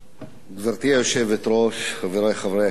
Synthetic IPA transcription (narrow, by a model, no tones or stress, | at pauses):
ɡzaɾt̪iajoʃevet̪ɾoʃχaveɾejχavɾe